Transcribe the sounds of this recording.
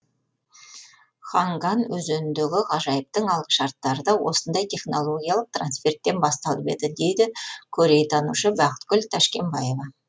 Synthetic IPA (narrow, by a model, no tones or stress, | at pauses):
χɑŋɡɑnwɵzennd̪ɪɡʲɪʁɑʒɑjəp̚t̪əɴɑlˠəqʃɑɾt̪ːɑɾəd̪ɑwo̞̰sənd̪ɑjt̪ʰe̞χno̞lˠo̞ɡʲijalˠəq̚t̪ransfe̞rt̪ːe̞nbɑst̪ɑlˠəpe̞̰d̪ɪd̪e̞jd̪ɪkʲʰɵɾe̞jt̪ʰɑnṵʃəbɑqə̥t̪ɡ̥ʲʏlt̪ʰæʃkʲe̞mbɑje̞vɑ